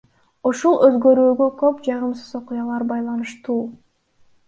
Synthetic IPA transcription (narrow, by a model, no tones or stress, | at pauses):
uʃulˠø̞zɡø̞ɾyːɡøkø̞pd͡ʒɑʁɯmsɯzo̞qʊjɑlˠɑɾbɑjlˠɑnɯʃt̪uː